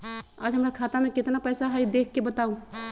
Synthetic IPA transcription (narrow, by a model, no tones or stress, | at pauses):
ə̰d͡ʒɦəmɾakʰat̪ameket̪napəjsaɦəjd̪ekʰːebət̪au